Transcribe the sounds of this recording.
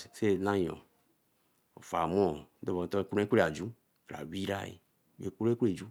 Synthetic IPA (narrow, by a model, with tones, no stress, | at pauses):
se˦˨nã˦ɲ˨ɔ̰̃˨ | o̰˨fa˨m˦ɔ̃˦˨˦d̪ɔ˦vɔ˨t̪ɔ˦˨kũ˦ku˦ɾe˦˨a˨d͡ʒu˦ | kla̰˨wi˦ɾa̰˦˨ḛ˨ | we˨ku˦ɾku˦e˦˨d͡ʒu˦